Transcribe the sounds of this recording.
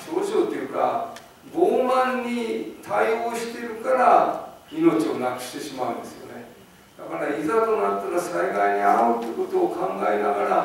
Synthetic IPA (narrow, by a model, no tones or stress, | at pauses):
ɕo̞ːʑoːt̪ːejɯ̟ka̰ | ɡoːmãɲːit̪ʰaioːɕi̥t̪e̞ɾɯ̟kaɾaino̞t͡ɕio̞nakɯ̟̥ɕi̥t̪e̞ɕimaɯ̟̃nd̪e̞sɨjo̞̰ne̞ | d̪̥akaɾaizat̪o̞nat̪ːaɾasaiɡaiɲ̟iaɯt̪ːeɯko̞t̪o̞ːkãŋɡaenaɡaɾa